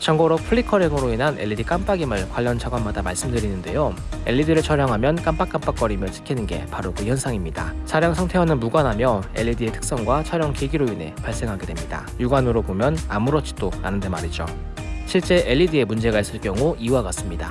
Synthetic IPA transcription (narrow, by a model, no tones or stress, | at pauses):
t͡ɕʌŋɡʌɾok̚pʰɯɭːikʰʌɾeŋɯɾoinɦane̞̰ʎːidik͈amp͈aɡimɯɭkwaʎːʌnt͡ɕʰaɡwanmadamaɭs͈ɯmdɯɾinɯnde̞joe̞̰ʎːidiɾɯɭt͡ɕʰʌɾjʌŋɦamjʌnk͈amp͈ak͈amp͈ak͈ʌɾimjʌt͡ɕʰi̥kʰinɯnɡe̞̰paɾokɯçjʌnsʰaŋimɲida̰t͡ɕʰaɾjʌŋsʰaŋtʰe̞wanɯnmuɡwanɦamjʌe̞ʎːidie̞tʰɯ̥k̚s͈ʌŋɡwat͡ɕʰʌɾjʌŋkeɡiɾoine̞̰paɭs͈e̞ŋɦaɡe̞dwe̞mɲida̰juɡanɯɾobomjʌnamuɾʌt͡ɕ͈ʰi̥t͈oa̰nɯndemaɾid͡ʑo̰ | ɕʰiɭt͡ɕ͈e̞ʔeʎːidie̞mund͡ʑe̞ɡais͈ɯɭk͈jʌŋuiuɦaɡas͈ɯmɲida̰